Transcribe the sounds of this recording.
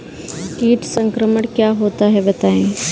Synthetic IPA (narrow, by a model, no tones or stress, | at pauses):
kiːʈsɐ̃ŋkɾəməɽ̃kjaːɦoːt̪aɦɛbɐt̪aːẽː